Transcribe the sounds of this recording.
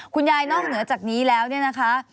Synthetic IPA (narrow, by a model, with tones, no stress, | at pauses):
kʰu˧njaː˧jnɔː˥˩k̚nɯ˨˩˦ɐt͡ɕaː˨˩k̚niː˦˥lɛː˦˥wni˥˩ɐna˦˥kʰa˦˥